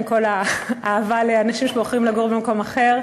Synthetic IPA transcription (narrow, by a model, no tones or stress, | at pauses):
ko̞laːvaleanaʃimʃeboχʁimlaɡoʁbemako̞maχe̞ʁ